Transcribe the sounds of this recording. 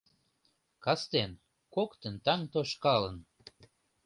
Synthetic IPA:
kɑst̪en | kokt̪ə̆nt̪ɑŋt̪oʃkɑlə̆n

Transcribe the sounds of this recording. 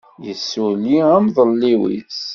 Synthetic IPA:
jəsːwliæmðˤəlːiwḭs

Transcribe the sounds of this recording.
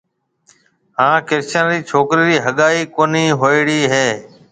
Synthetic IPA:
ɦãːkɪɾt͡ʃə̃ːnɾiːt͡ʃʰoːkɾiːɾiːɦəɠaːiːkoːniːɦoːɪɽiːɦeː

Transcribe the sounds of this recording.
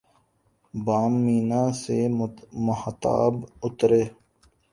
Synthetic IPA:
baːmːiːnaːsemʊhət̪a̰ːbʊt̪ɾeː

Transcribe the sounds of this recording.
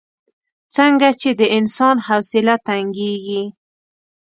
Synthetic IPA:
t͡səŋɡat͡ʃed̪əɪnsɑnhawsɪlat̪aŋɡeɡi

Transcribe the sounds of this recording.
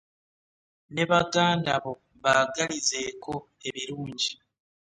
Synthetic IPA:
ne̞βaɡaːndaβo̞ | βaɡaɾize̞kʰo̞ | e̞βiɾuːɲɟi

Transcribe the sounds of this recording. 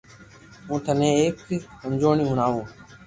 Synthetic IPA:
ũːt̪ʰənẽːeːkkəmd͡ʒoːɳĩːɦʊnaːɦoː

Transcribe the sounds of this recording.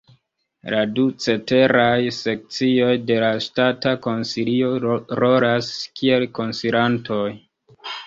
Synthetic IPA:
ladut͡se̞te̞ɾajse̞k̚t͡sio̞jde̞lastatako̞nsilio̞ɾo̞ɾaskie̞lko̞nsiɾantʰoj

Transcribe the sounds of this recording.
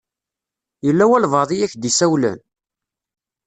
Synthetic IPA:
jəlːæwælvɑðˤijæçd̪isæwlæ̰n

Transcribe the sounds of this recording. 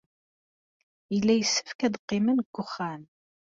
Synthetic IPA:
jəlːæjəsːəfkæd̪qːɪmənɡ̥ʷːʊχːæn

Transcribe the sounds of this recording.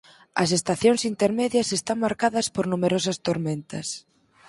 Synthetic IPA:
ɐ̰s̬est̪aθjoŋsint̪eɾmɛðjɐsest̪aŋmaɾkaðɐspoɾnumeɾosɐst̪oɾmẽnt̪ɐs

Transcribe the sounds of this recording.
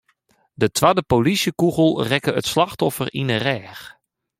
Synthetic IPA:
dətʰʋadəpolisjəkuɣəlˠrɛkəə̰tslaxtɔfərinərɛːx

